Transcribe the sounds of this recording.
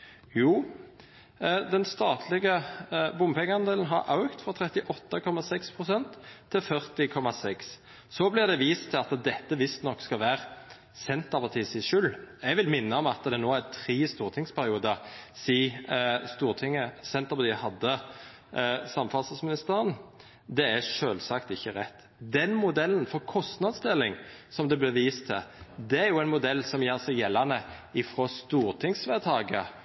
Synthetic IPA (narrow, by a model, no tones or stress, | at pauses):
juː | d̪ɛnst̪ɑːt̪ʰlɪɡəbʊmpʰɛŋːəɑnd̪eːlən̩ɦɑɾʔɑʉkt̪fɾɑt̪ʰɾɛt̪ɪʔɔt̪ːəkʰɔmɑsɛkspʰʁʊsɛnt̪ʰːɪlfœʁt̪ɪkʰɔmɑsɛks | sɔblɪʁd̪ɛʋiːst̪ʰːɪlɑt̪d̪ɛt̪ːəʋɪst̪nɔkːskɑlʋæːɾ | sɛnt̪ɑpɑt̪ʰiːsɪʃʉlɛɡʋɪlmɪnːəɔmɑt̪d̪ɛnoːæt̪ʰɾiːst̪uːʁt̪ʰɪŋspʰæɾɪuːd̪əsiːst̪uːʁt̪ʰɪŋːəsɛnt̪əʁpɑt̪iːhɑd̪ːə | sɑmfɑlsɑsmɪnɪst̪əːʁən | d̪ɛæʂøːlsɑkt̪ɪçːəʁɛt̪ː | d̪ɛnmʊd̪ɛlːənfɔɾkʰɔst̪nɑd̪sd̪ɛlːɪŋsɔmd̪ɛblɪʋiːst̪ʰːɪd̪ɛæɾjʊɛɪnmʊd̪ɛlːsɔmjeːʁsɛɡjɛlːɑnəɪfɾoːst̪uːʁt̪ʰɪŋsʋæt̪ʰɑːɡə